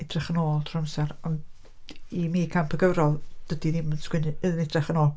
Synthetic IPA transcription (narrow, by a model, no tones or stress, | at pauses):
ɪdrɛχənoːlˠtʰrɔəmsɛrɔn | imiːkʰampʰəɡəvɾɔlˠd̥ədiðɪmənskwɪnɨɨðənɪdrɛχənoːlˠ